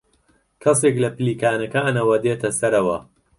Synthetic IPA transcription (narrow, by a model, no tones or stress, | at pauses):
kʰɐseklɐpɨliːkaːnɐkanɐwɐd̪eːt̪ʰɐsɐɾɐwɐ